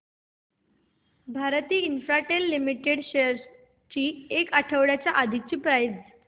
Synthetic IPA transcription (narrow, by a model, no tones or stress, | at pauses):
bʱaɾt̪iːinfɾaʈelːimiʈeɽɕeɾ | t͡ɕiːekəʈʰəʋɽjat͡ɕjaʔad̪ʱik̚t͡ɕiːpɾajd͡z